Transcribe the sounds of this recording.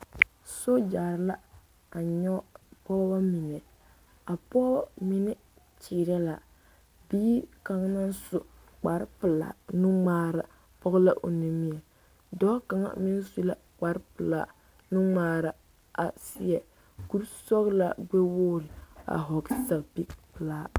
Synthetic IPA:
so˦d͡ʒaː˨ɾla˦ | a˨ɲɔ˦pɔː˦ba˦mi˨nɛ˨ | a˨pɔ˦ba˦mi˦nɛ˦ | t͡ʃiː˨ɾɛ˦la˨ | biː˦ka˨ŋna˦nsʊ˨ | k͡pa˨ɾpɨ˨la̰˨nu˦ŋ͡maː˦ɾa˨ | pɔ˦ɣla˦ʔo̰˨ni˨mi˦ɛ˨ | dɔː˦ka˨ŋa̰˦mɪ˦n˦su˦la˦ | k͡pa˨ɾpɨ˨la̰˦˨ | nu˦ŋ͡maː˦ɾa˨ | a˨sɪ˦ɛ˨ | ku˦ɾsɔ˦ɣla˨ɡ͡be˦wʊː˦lɪ˨a̰˨ɦɔ˨ɡsa˨kpi˦kpɨ˨laː˦

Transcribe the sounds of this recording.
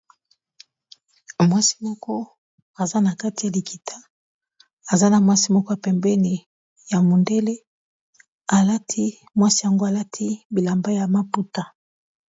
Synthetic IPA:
mwa˦si̥˦mɔ˦kɔ˦ | a˨za˦na˨ka˦ti˨ja˨li˨ki˨tʰa˦ | a˨za˦na˨mwa˦si˦mɔ˦kɔ˦ja˨pɛ˨mbɛ˦ni˨ | ja˨mo˨nde˦le˦ | a˨la˦tʰi˦ | mwa˦si˦ja˨ŋɡo˦a˨la˦tʰi˦bi˨la˨mba˦ja˨ma˦pu˦ta˨

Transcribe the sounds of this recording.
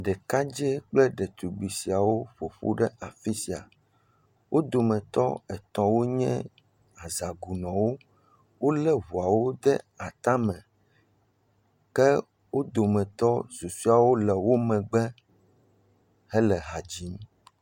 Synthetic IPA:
ɖɛ˨ka˦d͡ʒɛ˦k͡plɛ˦ɖɛ˨t̪u˨ɡ͡bi˨si˨a˨wo˦ɸo˨ɸṵ˦ɖɛ˦a˨fi˦si˨a̰˨ | wʔo˦d̪o˨mɛ̃˨t̪ɔ̰˦ɛ˨t̪ɔ̃˨wo˦ɲɛ̰̃˦ | a˨za˨ɡu˨nɔ̃˨wo˦ | wo˦lɛ˦βu˨a˨wo˦d̪ɛ̰˦ | a˨t̪ã˦mɛ̃˨ | kɛ˦ | wo˦d̪o˨mɛ̃˨t̪ɔ˦zu˨su˦a˨wo˦lɛ˨wo˦mɛ̃˨ɡ͡bɛ˦ | hɛ˦lɛ˨ɦa˨d͡ʑi˦m˦

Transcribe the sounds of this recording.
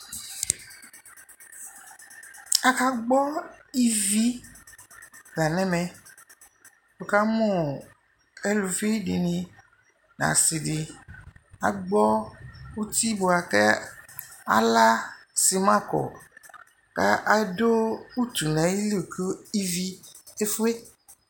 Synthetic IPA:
a˦ka˦ɡ͡bɔ˦i˦vi˦ | ɡa˨nɛ̃˦mɛ̃˨ | be˨ka˦mõ˦ | e˦lu˨fi˦ɖi˨nĩ˨ | nã̰˨si˨ɖi˨ | a̰˨ɡ͡bɔ˦wu˦t̪i˦bo˨a˨kɛ˦ | a̰˦la˦ | si˨mã˦kɔ̰˨ | ka˦ʔa˨do˦u˦t̪u˨nɛ̃˨˦ji˦li˦˨kʰe˦i˦vi˦e˦fu˦e˦

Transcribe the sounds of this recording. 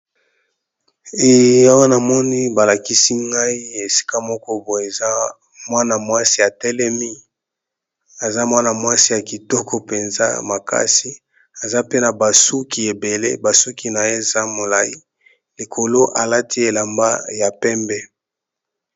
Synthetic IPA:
e˨ja˦wa˦na˨mɔ˦ni˦ba˨la˨ki˦si˦ŋɡa˦i˦e˨si̥˦ka˦mɔ˦kɔ˦bo˨e˨za˦ | mwa˦na˨mwa˦si˦a˨tɛ˦lɛ˦mi˦ | a˨za˦mwa˦na˨mwa˦si˦ja˨ki˨tɔ˦kʰɔ˦pe˨nza̰˦ma˨ka̰˦si˦ | a˨za˦pe˦na˨ba˨su˦ki˨e˨be˨lḛ˦ba˨su˦ki˨na˨je˦˨za˦mo˨la˨ji˦ | li˨kʰo˨lo˦ʔa˨la˦ti˦e˨la˨mba̰˦ja˨pɛ˦mbɛ˦

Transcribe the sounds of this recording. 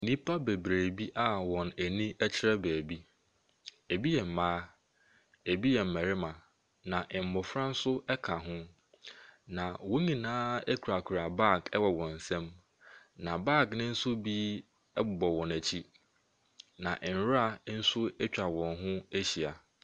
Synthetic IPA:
nĩ˦pʰa˦be˨bɾeː˨bi˦ʔa˦˨wɔ̃˨næ˨nĩ˦ɛ˦t͡ɕʰɪ˦ɾɛ˦bæː˨bi˦ | e˨bi˦jɛ˨m̩˨mãː˦ | e˨bi˦jɛ˨m̩˨mæ˨ɾɪ˦mã˨ | nã˨ʔɪ̃˨m̩˨mʊ˨fɾã˦n̩˦sʊ˦ɛ˦kʰa˨ɦʊ̃˦ | nã˨wõ˦ɲĩ˨nãː˦e˦kʰu˨ɾa˨kʰu˨ɾa˨ba˦˨kɛ˦wɔ˨wɔ̃˨n̩˨sɛ̃˦m | nã˨ba˦˨knɪ̃˦n̩˦sʊ˦bi˦ | ɛ˦bʊ˨bɔ˨wɔ̃˨næ˨t͡ɕʰi˦ | nã˨ʔn̩˨˦ɾa˦˨˦n̩˦sʊ˦ɛ˦t͡ɕᶣa˨wɔ̃˨nɦʊ̃˦æ˦ɕi˨a˨

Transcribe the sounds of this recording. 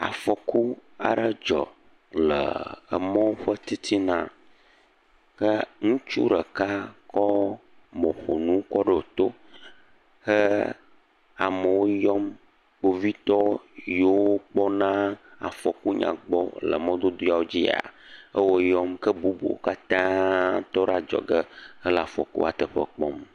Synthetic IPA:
a̰˨fɔ˨ku˦a˨ɖə˦d͡ʒɔ̰˨ | lə̰˨ə˨mɔ̃˦wo˦ɸə˦t̪i˦t̪ʰi˦nã˦ | kə˦ŋũ˦t͡ʃṵ˦ɖə˨ka˦kɔ˦ | mɔ̃˨ɸo˨nũ˦kɔ˦ɖə˦o˨t̪o˦ | xə˦ | a˨mə˨wo˦jɔ˦m | k͡po˨vi˦t̪ɔ˦jo˦wo˦k͡pɔ˦nã˦a̰˨fɔ˨ku˦ɲã̰˨ɡ͡bɔ̰˦lə̰˨mɔ̃˦d̪o˦d̪o˦ja˦˨wo˦d͡ʑi˦a̰˨ə˦wo˦jɔ˦mkə˦bu˦bṵ˨o̰˦ka˦t̪ã˦t̪ɔ˦ɖa˦d͡ʒɔ̰˨ɡə˦ə˦lə˨a˨fɔ̰˨kṵ˦a˨t̪ə˨ɸə̰˦k͡pɔ˦m

